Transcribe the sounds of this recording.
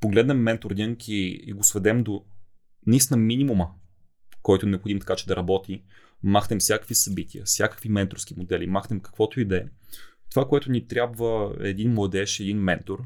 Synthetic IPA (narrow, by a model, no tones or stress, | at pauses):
poɡlɛd̪nɛmːɛnt̪oɾd̪ʲiŋkʰiḭɡosvɛd̪ɛmd̪o | nisnɐminʲimumə | kɔjt̪ʊnɛopxod̪imt̪ɐ̥kat͡ʃɛd̪ɐɾʔɐbɔt̪i | maxnɛmfsjakə̥kvisɐbit̪ʲiə̰sʲjakə̥kvimɛnt̪oɾfsk̟imod̪ɛlimaxnɛmkɐ̥kvɔt̪oid̪ɛt̪ovakoɛt̪ʊnit̪ɾʲjabvəɛ̰d̪inmlˠɐd̪ɛʃɛd̪inmɛnt̪oɾ